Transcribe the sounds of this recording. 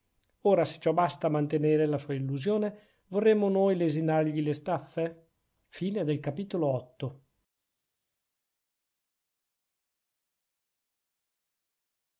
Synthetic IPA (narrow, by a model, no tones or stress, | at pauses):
oːɾase̥t͡ʃɔbast̪amant̪eneːɾelasuːailːuzjoːne | vorːemːonoːjlezinarʎilest̪afːe | fiːned̪elkapiːt̪oloɔt̪ːo